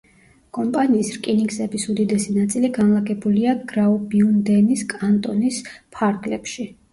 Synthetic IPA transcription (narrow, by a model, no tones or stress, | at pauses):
kʼɔmpʼaniːsɾkʼiniɡsɛbisud̪id̪ɛsinat̪sʼiliɡanlˠaɡɛbuliaɡɾaɔbiund̪ɛniskʼant̪ʼɔnispʰaɾɡlɛpʃi